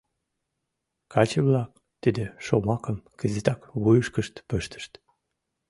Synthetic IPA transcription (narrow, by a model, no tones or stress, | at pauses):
kɑt͡ɕeəβlɑk | t̪id̪eʃomɑkəmkəzit̪ɑkβujəʃkəʃt̪pøʃt̪ə̥ʃt̪